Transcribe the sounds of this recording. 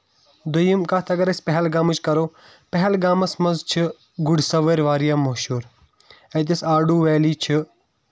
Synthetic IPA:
d̪ujimkaːt̪ʰɐɡɐɾɐsʲpɛɦɛlɡaːmut͡ʃkɐɾoː | pɐɦɛlɡaːmɐsmɐnzt͡ʃʰɨ | ɡʊɖsɐʋeːɾʋaːɾijaːmɐɦʃuːɾ | et̪̬ɐsaːɖuːʋɛːliːt͡ʃʰɨ

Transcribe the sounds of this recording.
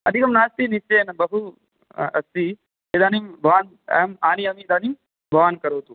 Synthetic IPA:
ɐd̪ʱikɐmnaːst̪inist͡ʃːeːnbɐɦu | ɐ̰si | ed̪aːnimbʱɐʋaːn | maːniɐmid̪aːnim | bʱɐʋaːnkɐɾoːt̪u

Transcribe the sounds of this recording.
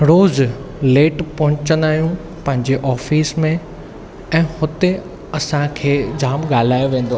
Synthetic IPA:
ɾoːzleːʈpɐɦʊ̃t͡ɕənd̪aːɦijũ | pɐ̃ɦɪ̃ɲd͡ʑeʔɔːfiːsmẽ | ɛ̃ːhʊt̪e | ɐsãkʰeːd͡ʑaːmɠaːl̤aːjoʋẽːn̆d̪o

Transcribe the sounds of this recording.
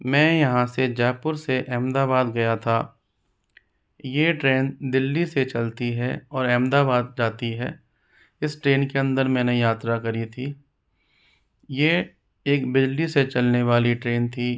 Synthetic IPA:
mɛ̃ːjɐɦãsed͡ʒɛːpʊɾseʔɛːmd̪aβaːd̪ɡɐjat̪ʰa | jeʈɾeːnd̪ɪlːiset͡ʃɐlt̪iɦɛɔːɾɛːmd̪aːbaːd̪̚d͡ʒaːt̪iɦɛ̰ː | ɪsʈɾeːnkeɐ̃nd̪əɾmɛ̃ːnejaːt̪ɾakɐɾit̪ʰiː | je | eːkbɪd͡ʒliset͡ʃɐlneʋaːliʈɾeːnt̪ʰiː

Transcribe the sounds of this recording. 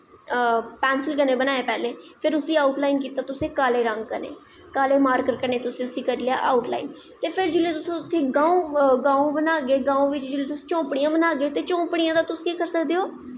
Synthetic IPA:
pɛːnsəlkənẽːbənaːeːpɛːleːpʰɪɾʊsiːaːʊʈlaːinkiːt̪aːt̪ʊsẽːkaːleːɾəŋɡkənḛː | kaːleːmaːɾkəʈ̚kəɾneːt̪ʊsẽːʊsiːkəɾlja̰ːʔaːʊʈla̰ːin | t̪eːpʰɪɾd͡ʒɪleːt̪ʊsõːt̪ʰːeːɡãːõːɡãːõːbənaːɡeːɡãːõːʋɪt͡ʃd͡ʒɪleːt̪ʊsːt͡ʃõːpɽijãːbənaːɡeːt̪eːt͡ʃõːpɽijãːd̪aːt̪ʊskiːkəɾsəkd̪eːoː

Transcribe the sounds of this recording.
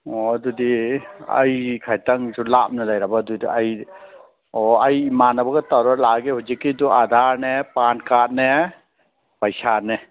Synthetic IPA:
ɔdudia̰jkʰajtaŋd͡ʒulap̚nɯlajɾabadudiaj | ɔajimanabaɡɐtawɾɔt̚laɡehuzikːiduʔad̪ʱaɾnepankat̚ne | pajsane

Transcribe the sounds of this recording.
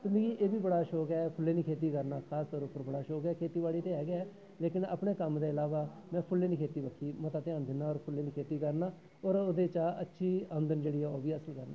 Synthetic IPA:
t̪ʊnd̪iːɡiːʔeːbiːbəɽaːʃoːkɛːpʰʊleːnĩːkʰeːt̪̬iːkəɾnaːkʰaːst̪ɔːɾʊpːəɾbəɽaːʃoːkɛːkʰeːt̪iːbaːliːt̪eːɦɛːɡeɛː | leːkɪnə̰ːpɳeːkəmd̪eːɪlaːʋaː | mɛ̃ːpʰʊlːeːnĩːkʰeːt̪iːbəkʰːiːmət̪aːt̪ɪãːnd̪ɪnːaːɔːɾpʰʊleːniːkʰeːt̪iːkəɾnaː | ɔːɾoːd̪eːt͡ʃaːətːʃʰiːə̃nd̪ənd͡ʒeːɽiːɛːoːbiːəsəlkəɾnã̰ː

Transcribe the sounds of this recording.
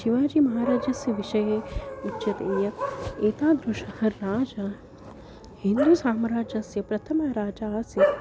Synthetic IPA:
ʃiʋaːd͡ʒiːmɐɦaːɾaːd͡ʒjɐsjɐʋiʃɐjeːutːʃɐt̪eːjɐeːt̪aːd̪ɾuʃɐhɐɾːaːd͡ʒaː | hind̪usaːmɾaːd͡ʒɐsjɐpɾɐt̪ʰɐmaːɾaːd͡ʒaːsjɐ

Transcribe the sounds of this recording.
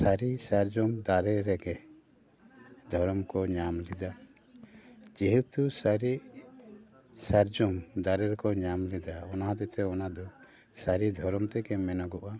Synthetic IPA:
saɾisaɾd͡ʒɔmd̪aɾɛɾɛɡɛ | d̪ʱɔɾɔmkɔɲamlid̪a | d͡ʒiɦut̪usaɾiʔ | saɾd͡ʒɔmd̪aɾɛɾɛkɔɲamlid̪aɔnaɦãd̪ɛt̪ɛɔnad̪ɔ | saɾid̪ʱɔɾɔmt̪ɛɡɛmɛnaɡɔʔa

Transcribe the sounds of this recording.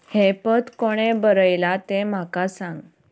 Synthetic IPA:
hepət̪koɽ̃ebəɾəjlat̪em̤akasãŋɡ

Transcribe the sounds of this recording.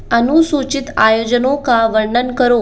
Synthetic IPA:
ənusut͡ɕit̪ajod͡ʑənokaʋəɾɳənkəɾo

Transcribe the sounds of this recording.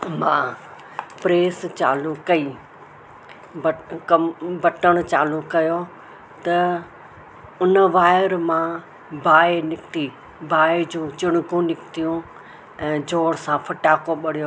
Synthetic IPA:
mãː | pɾeːst͡ɕaːlukɐiː | bkɐmbɐʈəɽ̃t͡ɕaːlukɐjo | t̪ɐ | ʊnəʋaːɪɾmã | bʱaːenɪkt̪i | bʱaːed͡ʑũːt͡ɕɪɽ̃ʊkũnɪkt̪ijũ | ɛ̃ːd͡ʑʱoːɽsãfʰɐʈaːkoɓɐɽijo

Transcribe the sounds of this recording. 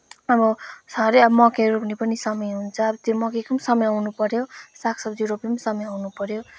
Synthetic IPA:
ʌbʌsʌɾʌʌbʌmʌkeɾopnipʌnisʌmʌjɦunt͡sʰʌːbʌt̪imʌkekʌmsʌmʌjawnupʌɾjosakʰsʌbjjuɾopimʌsʌmʌjawnupʌɾjo

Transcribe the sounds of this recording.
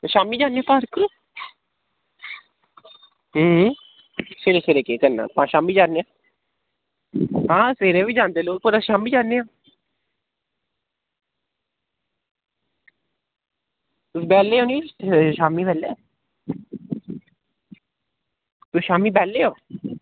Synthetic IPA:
ʃaːmiːd͡ʒaːneãːpaːɾkːəɾoː | ɦ | seːɾeːseːɾeːkeːkəna̰ːpãːʃaːmiːd͡ʒaːnːeːãː | ɦãːseːɾeːʋiːd͡ʒaːnd̪eːloːk̚puːɾaʃaːmiːd͡ʒaːneːãː | t̪ʊsbɛːlːeːɦoːnĩʃaːmiːbɛːleː | t̪oʃaːmiːbɛːlːeːoː

